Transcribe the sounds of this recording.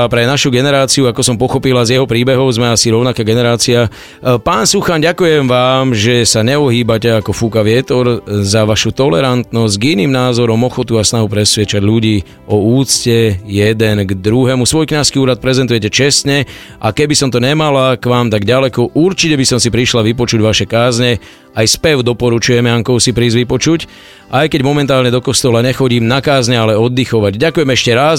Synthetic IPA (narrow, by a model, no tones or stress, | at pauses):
pɾɛnaʃuɡɛnɛɾaːt͡siuakɔsɔmpɔxɔpilazjɛɦɔpɾiːbɛɦɔʊzmɛasiɾɔʊnakaːɡɛnɛɾaːt͡sia | paːnsuxanɟakujɛmʋaːmʒɛsaɲɛɔɦiːbacɛakɔfuːkaʋɪɛt̪ɔɾzaʋaʃut̪ɔlɛɾant̪nɔzɟɡiniːmnaːzɔɾɔmɔxɔt̪uasnaɦupɾɛsʋɪɛt͡ʃaɟʎuɟiː | ɔuːt͡scɛjɛd̪ɛnɡd̪ɾuɦɛmusʋɔjkɲaskiuːɾat̪̚pɾɛzɛnt̪ujɛcɛt͡ʃɛst̪ɲɛ | akɛbisɔmt̪ɔɲɛmalakʋaːmt̪aɡɟalɛkɔʔuɾt͡ʃicɛbisɔmsipɾiʃlaʋipɔt͡ʃuɟʋaʃɛkaːzɲɛ | ajspɛʊd̪ɔpɔɾut͡ʃujɛmɛaŋkɔʊsipɾiːzʋipɔt͡ʃuc | ʔajkɛɟmɔmɛnt̪aːlɲɛd̪ɔkɔst̪ɔlaɲɛxɔɟiːmnakaːzɲɛalɛɔd̪ːixɔʋaɟdakujɛmɛʃcɛɾas